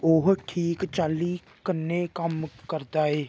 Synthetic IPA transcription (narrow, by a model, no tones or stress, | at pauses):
oːɦʈʰiːkt͡ʃaːli | kənekəmkəɾd̪aːeː